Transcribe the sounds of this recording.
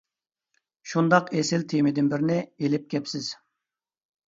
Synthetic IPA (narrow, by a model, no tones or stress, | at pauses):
ʃund̪ɑqesɪlt̪ʰemɪd̪ɪnbɪɾnɪelɪp̚kʲʰɛpsɪz̥